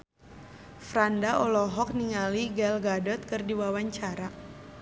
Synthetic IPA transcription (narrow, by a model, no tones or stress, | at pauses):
fɾandaʔɔlɔɦɔk̚niŋaliɡɛlɡadɔt̪̚kɨrdiwawaɲt͡ʃaɾa